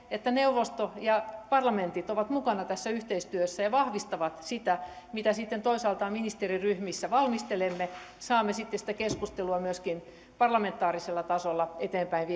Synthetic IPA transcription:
et̪ːæneuʋost̪ojɑpɑrlɑment̪it̪oʋɑt̪mukɑnɑt̪æsːæyht̪eist̪yøsːæjɑʋɑhʋist̪ɑʋɑt̪sit̪æ | mit̪æsit̪ːent̪oisɑːlt̪ɑːminist̪eriryhmisːæʋɑlmist̪elemːe | sɑːmːesit̪ːesi̥t̪ækeskust̪eluɑmyøskin | pɑrlɑment̪ːˑɑːriselːɑt̪ɑsolːɑet̪eːmpæinʋi

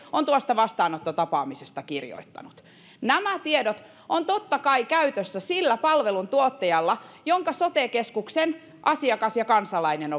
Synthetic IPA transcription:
ont̪uɑst̪ɑʋɑst̪ɑːnot̪ːot̪ɑpɑːmisest̪ɑkirjo̰it̪ːɑ̰nut̪ | næmæt̪iedot̪ | ont̪ot̪ːɑkɑikæyt̪øsːæsilːæpɑlʋelunt̪uot̪ːejɑlːɑjoŋkɑsot̪ekeskuksen | ʔɑsiɑkɑsjɑkɑnsɑlɑineno

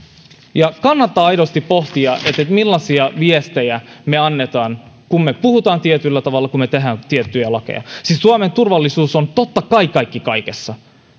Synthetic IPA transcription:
jɑkɑnːɑt̪ːɑːɑjɾost̪ippo̞ht̪iɑʔet̪ːet̪milːɑsiɑʋiest̪ejæme̞ɑnːet̪ɑːn | kummepuhut̪ɑːnt̪iet̪ylːæt̪ɑʋɑlːɑkummet̪eɦæːnt̪iet̪ːyjælɑkḛjɑ̰sissuɑme̞nt̪urʋɑlːisuːsont̪ot̪ːɑkɑikːɑikːikɑike̞sːɑ

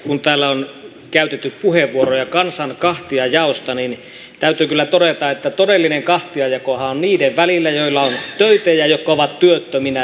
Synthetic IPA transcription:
kunt̪æːlːæon | kæyt̪et̪ːypuheʋʋuorojɑkɑnsɑnkɑht̪iɑjɑost̪ɑnin | t̪æyt̪ykylːæt̪odet̪ɑet̪ːæt̪odelːineŋkɑht̪iɑjɑkohɑonniːdeʋʋælilːæjoilːɑont̪øyt̪ejæjot̪kɑoʋɑt̪tyøt̪ːøminæ

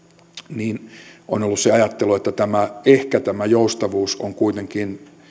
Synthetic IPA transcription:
niːnʔo̰nolːusseɑjɑt̪ːeluet̪ːæt̪æmæehkæt̪æmæjoust̪ɑʋuːsoŋkuit̪eŋkin

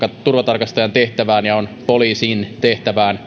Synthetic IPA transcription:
kɑt̪urʋɑt̪ɑrkɑst̪ɑjɑnt̪eht̪æʋæːnjɑonpoliːsiːnt̪eht̪æʋæːn

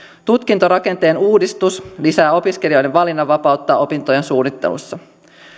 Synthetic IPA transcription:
t̪ut̪k̟int̪o̞ɾɑke̞nt̪e̞ːnuːdist̪uslisæːo̞pisk̟e̞lio̞jde̞ʋʋɑlinːɑʋɑpɑut̪ːɑːʔo̞pint̪o̞je̞nsuːnːit̪ːe̞̰lṵsːɑ

